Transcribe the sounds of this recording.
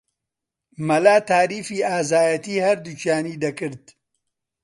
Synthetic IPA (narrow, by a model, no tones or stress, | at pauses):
mɐlaːt̪aːɾiːfiːaːzaːjɐt̪iːhɐɾd̪ut͡ʃjaːniːd̪ɐkɨɾd̪